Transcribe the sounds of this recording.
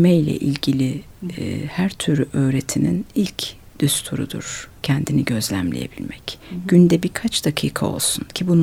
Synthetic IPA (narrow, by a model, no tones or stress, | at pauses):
mɛjlʲɛ̰ʔilʲɟilʲi | hæɾt̪ʰyɾʲyʔø̞ːɾet̪ʰininilʲcʰ | d̪̥yst̪ʰuɾṵd̪ṵɾ̥cʰɛnd̪iniɟø̞zlʲæ̰mlʲḛje̞̰bilʲmɛcɟ̥ynd̪ɛbiɾkʰat͡ʃd̪̥akʰɯːkʰa̰o̞̰lˠsuncʰibun